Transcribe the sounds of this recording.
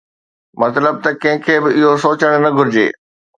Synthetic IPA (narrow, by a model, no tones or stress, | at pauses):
mɐt̪ləb̚t̪ɐkɐ̃ɦɪ̃kʰeːbɪɪɦosoːt͡ɕəɽ̃nɐɡʱʊɾɪd͡ʑḛː